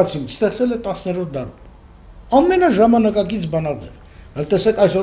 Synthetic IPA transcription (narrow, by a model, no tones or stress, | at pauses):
ɑt͡sʰinst̪ɛχt͡sɛlɛt̪ɑsnɛɾɔt̪̚ʰd̪ɑɾum | ɑmːɛnɑʒɑmɑnɑkɑkit͡sʰbɑnɑd͡zɛɾ | ɑlt̪ɛsɛkʰɑjsɔ